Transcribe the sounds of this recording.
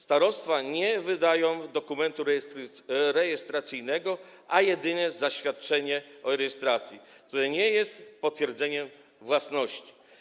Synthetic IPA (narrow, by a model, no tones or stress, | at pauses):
st̪aɾɔst̪faɲɛvɘd̪ajɔ̃w̃d̪ɔkumɛnt̪uɾ | ɾɛjɛst̪ɾat̪sʲɘjnɛɡɔʔajɛd̪ɘɲɛzaɕfʲjat̪̚t͡ʂɛɲɛɔɾɛjɛst̪ɾat̪sʲjikt̪uɾɛɲɛjɛst̪pɔt̪fʲjɛɾd̪zɛɲɛm | vwasnɔɕt͡ɕi̥